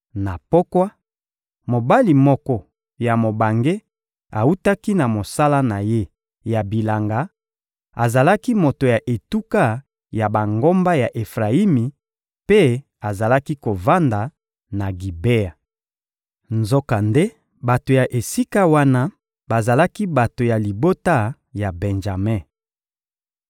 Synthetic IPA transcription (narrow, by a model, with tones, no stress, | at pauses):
na˨po˦kwa˦ | mo˨ba˦li˨mɔ˦kɔ˦ | ja˨mo˨ba˨ŋɡe˦ | a˨u˦ta˦ki˦na˨mo˨sa˦la˦na˨je˦ | ja˨bi˨la˨ŋɡa˨˦ | a˨za˨la˦ki˦mo˨to˨ja˨ʔe˨tu˦ka˦ | ja˨ba˨ŋɡo˦mba˦ja˨ʔe˨fʁa˨i˦mi˨ | pe˦ | a˨za˨la˦ki˦ko˨va˦nda˨ | na˨ɡi˨be˦a˨ | nzo˦ka˨nde˦ | ba˨to˨ja˨ʔe˨si˦ka˦wa˦na˦ | ba˨za˨la˦ki˦ba˨to˨ja˨li˨bo˦ta˦ | ja˨bɛ˨nʒa˨mɛ˦